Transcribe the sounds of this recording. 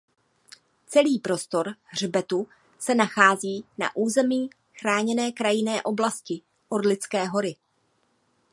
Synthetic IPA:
t͡sɛliːpɾo̞st̪o̞ɾr̝bɛt̪u | sɛnaxaːziːna̰ʔuːzɛmiː | xɾaːɲɛnɛːkɾajɪnɛːʔo̞blascɪ | ʔodlɪt͡skɛːɦo̞ɾɪ

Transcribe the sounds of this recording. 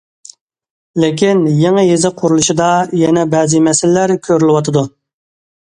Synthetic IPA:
lɪk̬ʲinjeŋɨjezɪqʰʊɾulˠuʃid̪ɑjɛnɛbɛzɨmɛsɪlɪlæɾkʲʰøɾylɪwɑt̪ʰɨd̪u

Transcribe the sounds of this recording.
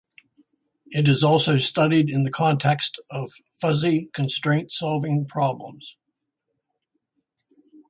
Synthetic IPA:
ɨɾɨzɔlˠsoʊstʌɾiɾɨ̃nðɨkʰɑ̃ntʰɛkstʌv̥fʌzikʰɨ̃n̩stɹ̥ẽɪ̃ntsɑlˠvɪ̃ŋpʰɹ̥ɑblə̰̃mz̥

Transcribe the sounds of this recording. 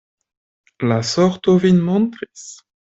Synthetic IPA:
lasɔʁt̪ovinmɔ̃nt̪ʁis

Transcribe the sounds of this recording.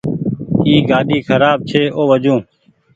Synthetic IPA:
iːɡaːɗiːkʰəɾaːb̚t͡ʃʰeːʔoːʋəd͡ʒũː

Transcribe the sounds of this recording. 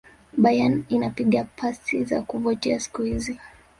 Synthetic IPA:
ɓajaninapiɠapʰasiza̰kuvɔtɛasi̥kuhizi

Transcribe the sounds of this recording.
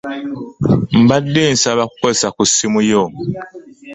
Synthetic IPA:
m̩badensabakwɛsakusimujɔm

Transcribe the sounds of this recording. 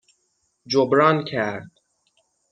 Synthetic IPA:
d͡ʒobɾɒːncʰæɾd̪̥

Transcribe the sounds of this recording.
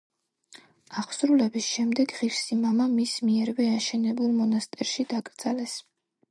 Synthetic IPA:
aχsɾulɛbisʃɛmd̪ɛɡʁiɾsimamamismiɛɾvɛaʃɛnɛbulˠmɔnast̪ʼɛɾʃid̪akʼɾd̪zalɛs

